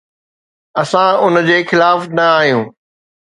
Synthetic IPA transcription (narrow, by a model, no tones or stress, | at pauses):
ɐsãʊnd͡ʑeːxɪlaːfnɐaːɦijũː